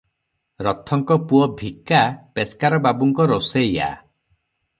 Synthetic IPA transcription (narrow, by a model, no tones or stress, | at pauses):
ɾɔt̪ʰɔŋkɔpuɔbʱikapeskaɾɔbabuŋkɔɾoseja̰